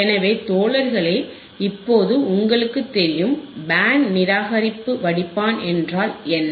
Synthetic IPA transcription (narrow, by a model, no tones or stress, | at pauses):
ɛnɐʋeːt̪oːɭɐɾɣɐɭeː | ɪpːoːðɯʊŋɡɐɭɯkːɯt̪ːɛɾɪjɯmbaːnnɪɾaːɣɐɾɪpːɯʋɐɽɪpːaːnɛndraːlɛnː